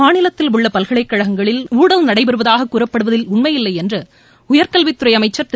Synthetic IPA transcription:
aːnɪlɐt̪ːɪlʊɭːɐpɐlɣɐɭɐɪkːɐɻɐɣɐŋɡɐɭɪluːɽɐlnɐɽɐɪpɐɾɯʋɐðaːɣɐkːuːɾɐpːɐɽɯʋɐðɪlʊɳmɐjɪlːɐɪɛndrɯ | ʊjɐɾkɐlʋɪt̪ːɯɾɐɪjɐmɐɪt͡ʃːɐɾt̪

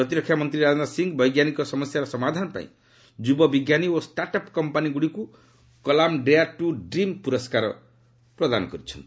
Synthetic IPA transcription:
pɾɔt̪iɾɔkʰːjamɔnt̪ɾiɾad͡ʒɔnasiŋɡbɔjɡjanikɔsɔmɔsjaɾɔsɔmad̪ʱanɔpã̰ḭ̃ | d͡ʒubɔbiɡjaniosʈaʈɔpkɔmpaniɡuɽiku | kɔlamɖejaʈuɖɾimpuɾɔskaɾɔ̰ | pɾɔd̪a̰nɔkɔɾit͡ʃʰɔnt̪i

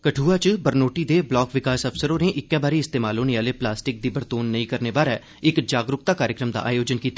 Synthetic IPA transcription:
kəʈʰuːaːt͡ʃbəɾnoːʈiːd̪eːblɔːkʋɪkaːsəpsəɾõːneːʔɪkːɛːbaːɾiːɪst̪eːmaːloːneaːleːplaːsʈɪk̚d̪iːbəɾt̪oːnːəĩːkəɾneːbaːɾɛː | ɪkd͡ʒaːɡɾʊk̚t̪aːkaːɾjəkɾəmd̪a̰ːʔaːjoːd͡ʒənkiːt̪aː

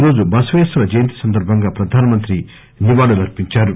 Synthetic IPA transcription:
ɾo̞ːd͡ʒubɐsɐʋesɾɐd͡ʒɐjɐnt̪i̥sɐnd̪ɐɾbʱɐŋɡaːpɾɐd̪ʱaːnɐmɐnt̪ɾi | niʋaːɽulɐɾpiɲt͡ʃaːɾu

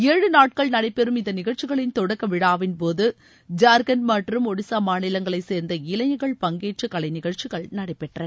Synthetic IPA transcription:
eːɻɯnaːʈ̚kɐɭnɐɽɐɪpːɛɾɯmɪnðd̪ɐnɪɣɐɻt͡ʃːɪɣɐɭɪnt̪ɔɽɐkːɐʋɪɽaːʋɪnpoːðɯ | d͡ʒaːɾɡɐnmaːʈrɯmɔɽɪsaːmaːnɪlɐŋɡɐɭɐɪseːɾnd̪ɐɪlɐjɐɣɐɭpɐŋɡeːʈt͡ʃɯkːɐɭɐɪnɪɣɐɻt͡ʃiɣɐɭnɐɽɐɪpːɛʈrɐn

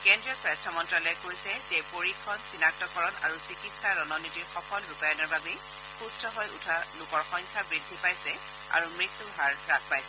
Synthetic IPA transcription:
kɛndɹijɔswajstʰɔmɔntɹalɔjɛkoɹjsɛzɛpoɹikʰːɔnsinak̚tɔkɔɹɔna̰ɹusikitsaɹɔnɔnitiɹxɔkɔlɹupajɔnɔɹbabɛ | xustʰɔɦojutʰalʊkɔɹxɔŋkʰabɹidʱːipajsɛ | a̰ɹumɹit̪ːuɦaɹɹak̚ʰpajsɛ

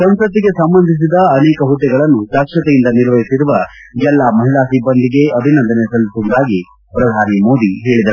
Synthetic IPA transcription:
sɐmsɐt̪ːiɡe̞sɐmbɐnd̪ʱis̬id̪ɐːnɛːkɐɦut̪ːɛɡɐɭɐnːuʃaːkʂɐt̪ɛjind̪ɐniɾʋɐjisiɾuʋɐ | d͡ʒɛlːamɐɦiɭaːsibːɐnd̪iɡe̞ɐbʱinɐnd̪ɐnesɐlt̪und̪aːɡi | pɾɐd̪ʱaːnimo̞ːd̪iɦe̞ːɭid̪ɐ

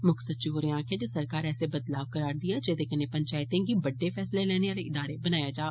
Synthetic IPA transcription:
mʊksəd̪̚t͡ʃioːɾẽãːkʰẽd͡ʒesəɾkaːɾɛːsebəd̪laːʋkəɾaːɾd̪ɪjaːd͡ʒeːd̪ekənepəɲt͡ʃaːɪt̪ẽːɡiːbəɖːeːfʰɛːslelɛːneːaːleʔɪd̪aːɾebənaːjaːd͡ʒaː

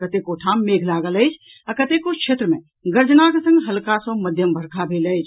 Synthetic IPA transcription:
kɐt̪ekoːʈʰaːmːeːɡʰʱlaːɡələjd͡ʒʰ | ɐkɐt̪eːkokʃʰeːt̪ɾəmẽ | ɡɐɾd͡ʒnaːkesɐ̃ŋɡɦɐlkaːsõːmɐd̪ʱjəmbʱɐɾkʰabʱeːlɐjd͡ʒ

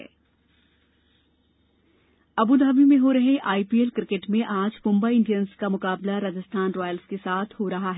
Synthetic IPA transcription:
ɐbud̪aːbimẽɦoɾɐɦẽʔaːipiːelkɾɪkeʈmẽʔaːd͡ʒmʊ̃mbaiɪ̃ɳɖijənskamʊkaːblaɾɐd͡ʒɪst̪ʰaːnɾɔːjəlskesaːt̪ʰɦoɾɐɦaɦɛː

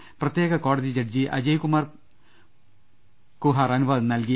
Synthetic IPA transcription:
prɐt̪jeːɣɐkoːɽɐðid͡ʑɐʈ̚d͡ʑiʔɐ̰d͡ʑɐjkumaːr | kuɦaːrɐnubaːðnɐlki

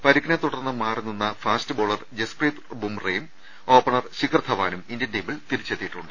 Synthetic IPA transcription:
pɐɾikːinɐt̪uɽɐrnːɨmaːrinːunːɐfaːstɨbo̞ːɭɐrd͡ʑespriːt̪bumrejm | o̞ːpːɐɳɐrɕikrt̪ʰɐʋaːnumindendeːmbiɭt̪iɾit͡ɕːet̪ːiʈːuɳɖɨ

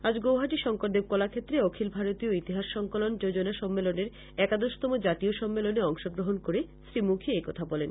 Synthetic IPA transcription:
ad͡ʑɡowɦaʈiʃɔŋkoʈ̚d̪eb̚kɔlakʰet̪ːɾeɔkʰilbʱaɾot̪ioit̪iɦaʃːɔŋkolond͡ʑod͡ʑonaʃɔmːeloneɾ | ɛkad̪oʃt̪ɔmod͡ʑat̪ioʃɔmːeloneɔŋʃoɡɾoɦonkoɾeʃɾimukʰiekɔt̪ʰabɔlen

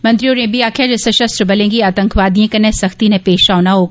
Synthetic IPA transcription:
mɐ̃nt̪ɾioːɾẽːbiaːkʰjad͡ʒɛːseʃɐst̪ɾbɐlẽːŋɡiaːt̪ɐ̃ŋkʰʋaːd̪ijẽkɐnesɐxt̪inẽpeːʃaːʋnaɦoː

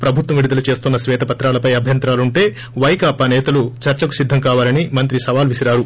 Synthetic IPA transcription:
pɾɐbʱut̪ʋɐmʋiɽid̪ɐlut͡ʃe̞ːst̪unːɐsʋɛːt̪ɐpɐt̪ɾaːlɐpɐjɐbʱjɐnt̪ɾaːluɳʈe̞ː | ʋɐjkaːpaːnɛːt̪ɐlut͡ʃɐɾt͡ʃɐku̥sid̪ʱːɐŋkaːʋaːlɐnimɐnt̪ɾisɐʋaːlʋisiɾaːɾu

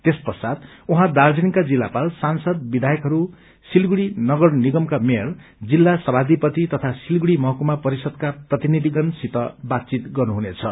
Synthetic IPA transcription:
t̪espʌrsad̪uɦãd̪ard͡zinkad͡zilːapalsansʌd̪̚bid̪ʱajʌkɦʌɾu | silɡuɽinʌɡʌrniɡʌmkameʌrd͡zilːasʌbʱad̪ipʌt̪it̪ʌt̪ʰasilɡuɽimʌɦʌkumapʌɾisʌd̪kaprʌt̪inid̪ʱiɡʌnsit̪ʌbat̪̚t͡sit̪ɡʌrnuɦunet͡sʰʌ

